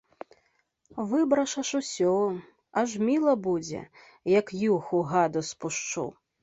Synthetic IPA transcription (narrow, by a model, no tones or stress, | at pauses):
vɨbɾɐʂɐʂusʲɔ | ɐʐmʲilˠɐbud͡zʲɛ̰ | jɐkjuxuɣad̪uspuʂt͡ʂṵw